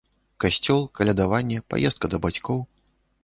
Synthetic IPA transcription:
kasʲt͡sʲɔlˠkalʲad̪avanʲːɛpa̰jɛst̪̚kɐd̪ɐbat͡sʲkɔw

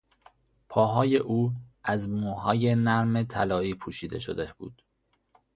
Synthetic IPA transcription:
pʰɒːɦɒːje̞ʔuːæzmuːɦɒːje̞næɾme̞t̪ʰælɒːiːpʰuːʃiːd̪e̞̰ʃo̰d̪e̞b̥ṵːd̪̥

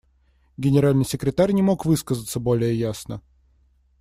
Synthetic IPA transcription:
ɡʲɪnʲɪɾalʲnɨjsʲɪkɾʲɪt̪arʲnʲɪmo̞kvɨskəzət̪səbo̞lʲɪjəjasnə

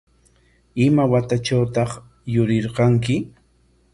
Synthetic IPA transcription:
ɪmawat̪at͡ʃawt̪ɑχ | jʊɾɪɾqɑŋkɪ

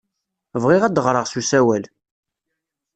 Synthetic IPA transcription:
vʁiʁæd̪əʁɾˤəʁsusæwæl

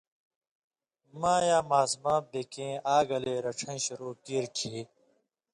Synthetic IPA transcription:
mãːjaːmaːsmãːp̚d̪ekẽːaːɡɐleːɾɐʈ͡ʂʰɐ̃ĩɕuɾoːkiːɾʈʰiː

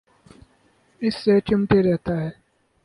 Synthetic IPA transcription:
ɪsːet͡ʃʊmt̪eɾɛɦt̪aɦɛː

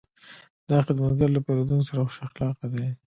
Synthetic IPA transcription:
d̪ɑxɪd̪əmazɡaɾlapeɾod̪unosaɾaxʊʃaxlɑqad̪e

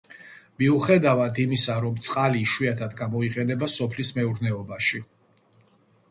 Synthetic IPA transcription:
miuχɛd̪avad̪imisaɾɔmt̪sʼqʼaliʃwiat̪ʰad̪ɡamɔiqʼɛnɛbasɔpʰlismɛuɾnɛɔbaʃi

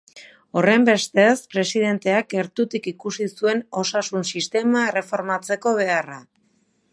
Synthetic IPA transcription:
o̞re̞mbe̞st̪e̞spɾe̞siðe̞nt̪e̞ake̞ɾt̪ut̪ikikusisue̞no̞sasunsist̪e̞mae̞re̞fo̞ɾmat͡se̞ko̞β̞e̞ara

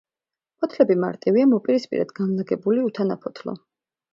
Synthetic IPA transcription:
pʰɔt̪ʰlɛbima̰ɾt̪ʼiviamɔpʼiɾispʼḭɾɛ̰d̪ɡanlaɡɛbuliut̪ʰanapʰɔt̪ʰlɔ̰

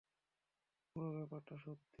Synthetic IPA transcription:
puɾoβɛpaɾʈaʃop̚t̪i

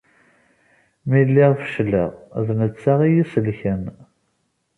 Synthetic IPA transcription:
milːɪʁfə̥ʃlə̰ʁðnət͡sːaʁijisəlçən

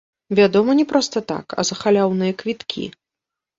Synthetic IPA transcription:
vʲad̪ɔmɐnʲɛpɾɔst̪ɐt̪a̰kɐ̰zɐxalʲawnɨjɐkvʲit̪kʲʰḭ

